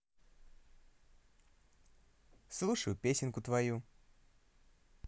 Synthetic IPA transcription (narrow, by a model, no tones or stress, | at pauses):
slˠuʂəjʊpʲesʲɪnkʊt̪vɐju